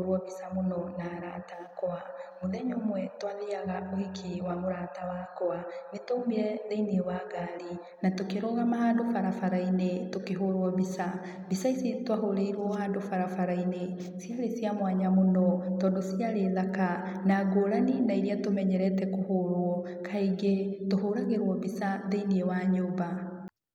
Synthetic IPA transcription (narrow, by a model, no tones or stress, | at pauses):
ɾɔβisamonɔnaɾaːtakɔamoðɛɲomwɛtwaðiaɣaohikʰiwamoɾatawakɔanetoumiɾɛðeiniwaɡaɾi | natokeɾɔɣamahaːndofaɾafaɾainetokeɦoɾwɔβisa | βisaisitwaɦoɾeiɾwɔhaːndofaɾafaɾaine | sjaɾesjamwaɲamonɔtɔːndosiaɾeðaka | naːɡoːɾaninaiɾiatomɛɲɛɾɛtɛkohoɾwɔ | kʰaiɡetohoɾaɣeɾwɔβisaðeiniewaɲoːba